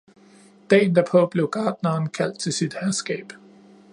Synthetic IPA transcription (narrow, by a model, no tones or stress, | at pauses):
d̥ɛ̰ːnd̥æɐpʰɒ̽b̥le̝ʊɡ̥ɑ̈ːd̥nɐːnkʰæl̰d̥̚t͡sʰe̝lsid̥hæɐsɡ̥ɛ̰ːb̥